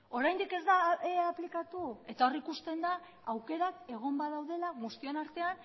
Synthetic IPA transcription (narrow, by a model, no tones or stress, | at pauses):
o̞ɾajnd̪ike̞zd̪aeaplikat̪ue̞t̪ao̞rikust̪e̞nd̪aː | wke̞ɾake̞ɣ̞o̞mbaðawðe̞lamust̪ionaɾt̪e̞an